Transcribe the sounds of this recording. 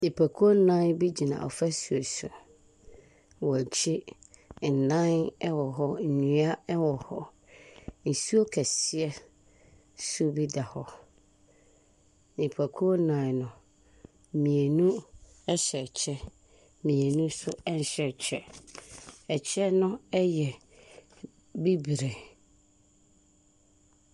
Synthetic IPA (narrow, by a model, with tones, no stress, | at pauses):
ni˨pʰa˨kʰu˦o˦nã˦nbi˦d͡ʑi˨nã̰˨ɔ̰˨fɛ˦su˨e˨sʊ̰˨ | wɔ˨t͡ɕʰi˦ | n̩˨nã˦nɛ˦wɔ˨ɦɔ˦n̩˨ɲũ˨a˦ɛ˦wɔ˨hɔ˦ | n̩˨su˦o˦kʰɛ˨si˨ɛ˦ | sʊ˦bi˦da˨hɔ˦ | nĩ˨pʰa˨kʰu˦o˦nã˨nʊ̃˨ | mĩ˨e˨nũ˦ | ɛ˦ɕɛ˨t͡ɕʰɛ˦ | mĩ˨e˨nũ˦sʊ˦ɛ˦n˨ɕɛ˨t͡ɕʰɛ˦˨ | ɛ˨t͡ɕʰɛ˦nʊ̃˦ɛ˦jɛ˨ | bi˦bi˨ɾe˨